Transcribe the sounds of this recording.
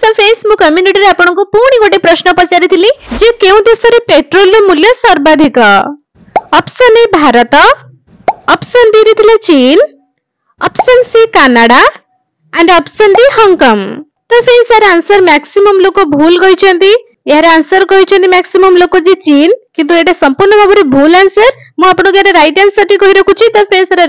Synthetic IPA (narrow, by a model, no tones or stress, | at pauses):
sɐpʰẽnsmũkɐmjuniʈiɾeapɔɽ̃ɔkupuːɽ̃iɡoʈipɾʌʃnɔpɔt͡ʃaɾit̪ʰilĩd͡ʒekeũd̪esɐɾepeʈɾolːomuljɔsɐɾbad̪ʱikɔ | ɔpsənebʱaːɾət̪ɔː | psənb̪iɾit̪ʰilet͡ʃiːn | ɔpsənsikanaɽa | ɛɳɖəpsənbiɦɐŋkɔm | t̪ɔpʰensaɾeaːnsəɾmɛksimɐmlokobʱuːlɡɔit͡ʃʰə̃nt̪i | jaɾeansəɾkɔɦit͡ʃʰɐ̃nt̪imɛksimɐmlokod͡ʒit͡ʃiːnkint̪ueʈasɐmpuɾnəbabəɾibʱuːlansəɾ | mũapɳoɡeɾeɾajʈansəʈikɔɦiɾekʰut͡ʃʰit̪ɔpʰensaɾe